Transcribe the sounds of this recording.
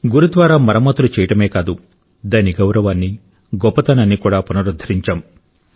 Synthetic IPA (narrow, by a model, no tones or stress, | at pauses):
ɡuɾud̪ʋaːɾaːmɐɾɐmɐt̪ulut͡ʃɛːjɐʈɐme̞ːkaːd̪u | d̪aːniɡɐwɾɐʋaːnːi | ɡɔpːɐt̪ɐnɐnːikuːɽaːpunɐɾud̪ʱːɐɾiɲt͡ʃaːm